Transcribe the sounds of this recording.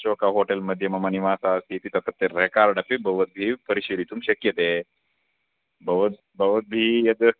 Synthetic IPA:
t͡ʃoːkaɦoːʈelmɐd̪ʱːjɐmɐmɐniʋaːsasiːt̪it̪ɐt̪ːɐt̪ːeɾekaɾɖɐpibɐʋət̪̚bʱiːpəɾiɕelit̪umɕɐkjɐt̪e | bɐʋət̪̚ | bɐʋət̪̚bʱiːjɐd̪

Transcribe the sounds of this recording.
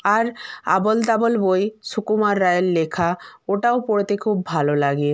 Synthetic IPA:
aɾa̰bold̪abolbojsukumaɾːajelːekʰaoʈaopoɽet̪ekʰubːʱalolaɡe

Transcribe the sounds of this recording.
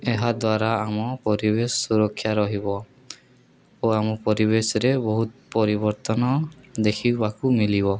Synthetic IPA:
eɦad̪waɾaːmɔpɔɾibesɔsuɾɔkʰːjaɾɔɦibɔ | oamɔpɔɾiβesɔɾebɔɦut̪pɔɾibɔɾt̪ɔnɔd̪ekʰibakumilibɔ

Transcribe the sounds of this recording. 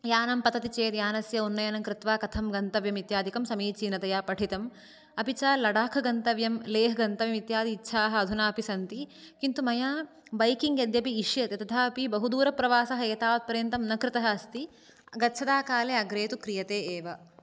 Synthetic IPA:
jaːnɐmpɐt̪ɐt̪it͡ʃeːt̪jaːnɐsjɐunːɐjɐnɐŋkɾɪt̪ʋaːkɐt̪ʰɐmɡɐnt̪ɐʋjɐmit̪jaːd̪ʱikɐmsɐmiːt͡ʃiːnɐt̪ɐjaːpɐʈʰit̪ɐm | ɐpit͡ʃaːlːɐɽaːkʰɐɡɐnt̪ɐʋjɐmleːɦɐɡɐnt̪ɐʋjɐmit̪jaːd̪iːtːʃʰaːɦɐɐd̪ʱunaːɐpisɐnt̪ikint̪umɐjaː | bɐjkiŋɡjɐd̪jɐpiːʂjɐt̪jɐt̪ɐt̪ʰaːɐpibɐɦud̪uːɾɐpɾɐʋaːsɐɦɐɐt̪aːʋɐt̪̚pɐɾent̪ɐmnɐkɾɪt̪ɐɦɐɐst̪i | ɡɐtːʃʰɐd̪aːkaːleːɐɡɾeːt̪ukɾijɐt̪eːeːʋɐ

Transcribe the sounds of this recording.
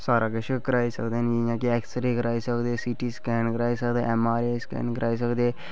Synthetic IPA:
saːɾakəʃkəɾaːisə̰kd̪eːnijãːkiɛːksəɾikəɾaːisəkd̪eːsiʈiskɛːnkəɾaːisəkd̪eːɛmaːɾeːskɛ̰nkəɾʔaːis̬əkd̪eː

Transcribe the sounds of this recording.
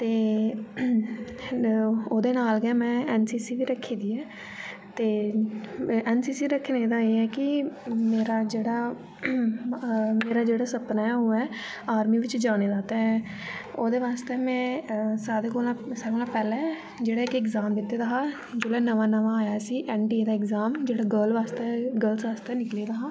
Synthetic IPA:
t̪eː | oːd̪eːnaːlɡɛ̃ːmɛ̃ːɛːnsiːsiːʋiːɾəkʰːiːd̪iːɛː | t̪eː | ɛːnsiːsiːɾəkʰːneːd̪aːeːɛːkɪmeːɾaːd͡ʒeːɽaː | meːɾaːd͡ʒeːɽaːsəpnaːɛːoːɛː | aːɾmiːʋɪt͡ʃd͡ʒaːɽ̃eːd̪aːt̪ẽː | oːd̪eːʋaːst̪eːmɛ̃ːsaːɾeːkolasaːkoːlãːpɛːlɛ̃ː | d͡ʒeːɽaːɪkɪkzaːmd̪ɪt̪ːeːd̪aːɦaː | d͡ʒoːlɛːnəʋaːnəʋãːjaːsiːʔɛːnɖieːd̪aːɪkzaːmd͡ʒeːɽaːɡəlʋaːst̪eːɡəlsʋaːst̪eːnɪkleːd̪aːɦaː

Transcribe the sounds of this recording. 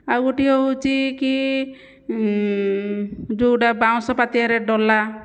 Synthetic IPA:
awuʈiɔɦut͡ʃiki | d͡ʒuɖabaw̃sɔpat̪iaɾɛɖɔla

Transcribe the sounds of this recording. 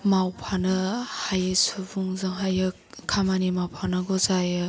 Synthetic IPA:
mawpʰanɯhajɯsubuŋzɯŋɦajɯ | kʰamanimawpʰanɯɡɔzajɯ

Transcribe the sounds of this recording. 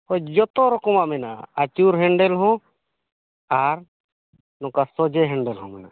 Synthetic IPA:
hɔd͡ʒɔt̪ɔɾɔkɔmaʔmɛna̰at͡ʃuɾɦɛɳɖɛlɦɔ̃ | aɾ | nɔkasɔd͡ʒɛɦɛɳɖɛlɦɔ̃mɛna

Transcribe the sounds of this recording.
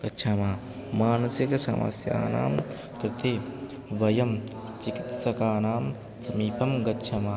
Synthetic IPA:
ɡ̥ɐtːʃʰɐmaː | maːnɐsiksɐ̰mɐ̰sja̰ːna̰ːm | kɾɪt̪eː | ʋɐjɐm | t͡ʃikit̪sɐkaːnaːm | sɐmiːpʰɐmɡɐtːʃʰɐmaː

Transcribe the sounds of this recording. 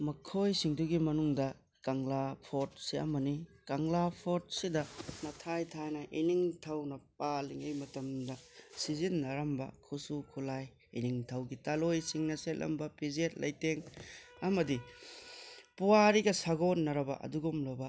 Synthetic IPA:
mɐkʰojsiŋduɡimɐnuŋdɐ | kaŋlapʰoɾt̚siɐ̰mɐnikaŋlapʰot̚sidɐnɐtʰajtʰajnɐʔiniŋtʰɐwnɐp̚aliŋejmɐtɐmdɐsizinːɐɾɐmbɐ̰kʰusukʰulaj | iniŋtʰɐwɡitalojsiŋnɐselʔɐ̰mbɐpizet̚lɐ̰jteŋɐmɐdi | puwaɾiɡɐsaɡotnːɐɾɐbɐ̰ʔɐ̰duɡumlobɐ

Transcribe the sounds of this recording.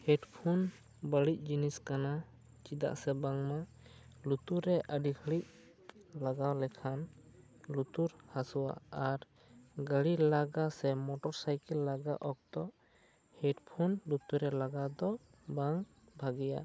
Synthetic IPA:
hɛɖpʰun | bəɽic̚ˀd͡ʒiniskana | t͡ʃid̪a̰ʔsɛbaŋma | lut̪uɾɛʔəɖikʰəɭic̚ | laɡawlɛkʰan | lut̪uɾhasuwa̰aɾ | ɡəɽilaɡasɛmɔʈɔɾsajkɛlːaɡaʔɔk̚t̪ɔʔ | hɛɖpʰunlut̪uɾɛlaɡad̪ɔ | baŋ | bʱaɡija̰

